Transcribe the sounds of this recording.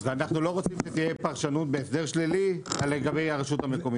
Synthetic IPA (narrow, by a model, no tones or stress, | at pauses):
veanaχnulo̞ʁot͡simʃet̪ijepaʁʃanut̪̚beːsd̪e̞ʁʃlilialːeɡabe̞jaʁeʃut̪ame̞ko̞mi